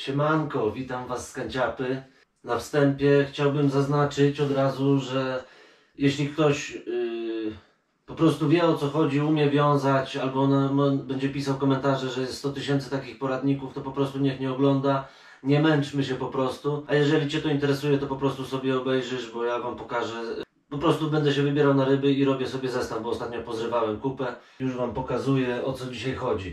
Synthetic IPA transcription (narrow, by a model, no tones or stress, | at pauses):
ɕɛmankɔvʲit̪amvasːkaɲt͡ɕapɘ | nafst̪ɛmpʲjɛxt͡ɕawbɘmzaznat͡ʂɘt͡ɕɔd̪ɾazuʐɛ | jɛɕlʲikt̪ɔɕ | pɔpɾɔst̪uvʲjɛɔt̪sɔxɔd͡ʑiumʲjɛvʲjɔ̃w̃zat͡ɕalbɔnamɔbɛɲd͡ʑɛpʲisawkɔmɛnt̪aʐɛʐɛjɛst̪ːt̪ɔt̪ɘɕɛnt̪sɛ̥t̪akʲixpɔɾad̪ɲikuft̪ɔpɔpɾɔst̪uɲɛxɲɛɔɡlɔnd̪a | ɲɛmɛnt͡ʂmɘɕɛpɔpɾɔst̪uajɛʐɛlʲit͡ɕɛt̪ɔint̪ɛɾɛsujɛt̪ɔpɔpɾɔst̪usɔbʲjɛɔbɛjʐɘʂbɔjavampɔkaʐɛ | pɔpɾɔst̪ubɛnd̪ɛɕɛvɘbʲjɛɾawnaɾɘbɘiɾɔbʲjɛsɔbʲjɛzɛst̪avbɔːst̪at̪̚ɲɔpɔzɾɘvawɛmkupɛ | juʂvampɔkazujɛɔt̪sɔd͡ʑiɕajxɔd͡ʑi